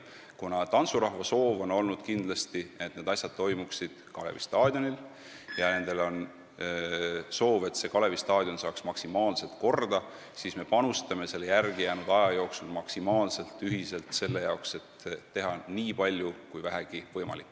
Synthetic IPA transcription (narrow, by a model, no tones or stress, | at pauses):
kunɑt̪ɑnt̪suɾɑhvɑso̞ːvo̞no̞lnud̪̥kind̪lɑst̪ie̞t̪ːne̞ːd̪ɑsʲjɑd̪̥̚t̪ːo̞jmuksid̪̥kɑlḛvist̪ɑːd̪̥ʲjo̞nil | jɑne̞nd̪̥e̞lo̞n | so̞ːve̞t̪se̞kɑle̞vist̪ɑːd̪̥ʲjo̞nsɑːksmɑksimɑːlse̞lt̪ko̞rd̪̥ɑ | siːsme̞pɑnust̪ɑme̞se̞lːejærɡijæːnud̪̥ɑjɑjo̞ːksulmɑksimɑːlse̞lt̪ːˑyɦise̞lt̪se̞lːe̞jɑokse̞t̪ːe̞ɦɑniːpɑlʲjukujvæɦæɡ̥ivɤ̞jmɑ̰likːˑ